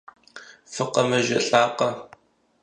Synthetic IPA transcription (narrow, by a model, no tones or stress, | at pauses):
fɨqɐmɐʒɐɬʼaːqɐ